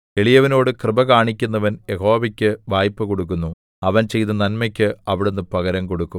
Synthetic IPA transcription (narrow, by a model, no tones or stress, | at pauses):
e̞ɭijɐʋɐno̞ːɽɨkrɨbɐkaːɳikʲːunːɐʋɐnjeɦo̞ːʋɐkʲːɨʋaːjpːɨkoɽuk̬ːunːu | ɐʋɐnt͡ɕe̞jt̪ɐnɐnmɐkʲːɨɐʋiɽunːɨpɐɣɐɾɐmko̞ɽukːu